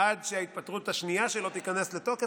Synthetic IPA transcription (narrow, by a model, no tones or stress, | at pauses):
adʃeait̪̚pat̪ʁut̪aʃnijaʃelo̞t̪ikane̞sle̞to̞ke